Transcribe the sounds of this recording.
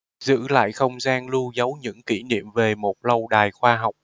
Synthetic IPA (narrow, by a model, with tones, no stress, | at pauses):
zɨ̰˧˥la̰ː˧˨jxə˧wŋ͡mzaː˧nlu˧zə˨˦wɲɨ̰˧˥ŋki˧˩nḭ˧˨əmve˨˩mo˨˩t̚lə˧wɗaː˨˩jxwaː˧ɦa˨˩wk͡p̚